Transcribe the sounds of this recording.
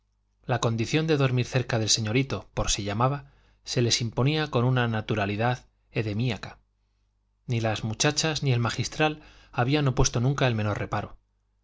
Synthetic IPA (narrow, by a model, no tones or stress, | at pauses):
lako̞nd̪iθjo̞nd̪e̞ðo̞ɾmiɾθe̞ɾkaðe̞lse̞ɲo̞ɾit̪o̞po̞ɾsiʎamaβa | se̞le̞simpo̞niako̞nunanat̪uɾaliðað | e̞ðe̞miakḁ | nilazmut͡ʃat͡ʃaznie̞lmaxist̪ɾalaβ̞iano̞pwe̞st̪o̞nũŋkaelmẽ̞no̞rre̞paɾo